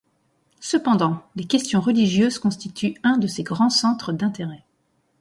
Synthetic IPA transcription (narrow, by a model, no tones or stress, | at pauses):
səpɑ̃d̪ɑ̃lekʲɛst̪jɔ̃ʁəliʒjøzkɔ̃st̪it̪ʰyɛ̃d̪əseɡʁɑ̃sɑ̃t̪χəd̪ɛ̃t̪eʁɛ